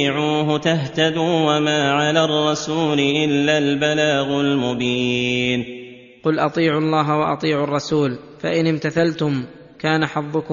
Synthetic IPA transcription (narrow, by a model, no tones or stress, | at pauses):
ɪʕuːɦʊt̪aht̪ad̪uːwamaːʕalaːrˤːɑsuːlɪʔɪlːaːlbalaːɣʊlmʊbiːn | qʊlʔɑt̪ˤiːʕʊɑlˤːɑːɦawɑʔɑ̰t̪ˤiːʕʊɑrˤːɑsuːl | faʔɪnɪmt̪aθalt̪ʊm | kaːnaħɑðˤːʊk